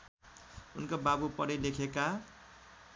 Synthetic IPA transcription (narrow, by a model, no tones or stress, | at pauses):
unkobabupʌɽilekʰeka